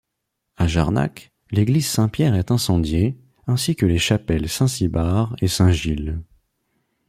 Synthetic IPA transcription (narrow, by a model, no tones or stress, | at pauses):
aʒaʁna̰k | leɡlizsɛ̃pjɛʁɛt̪ɛ̃sɑ̃d̪je | ɛ̃sikəleʃapɛlsɛ̃sibaʁesɛ̃ʒil